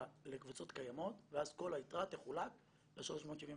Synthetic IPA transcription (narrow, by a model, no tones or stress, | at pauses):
le̞kvut͡so̞tkajamo̞t̪veazko̞lait̪ʁat̪eχulak | leʃalo̞ʃmot̪ʃivĩ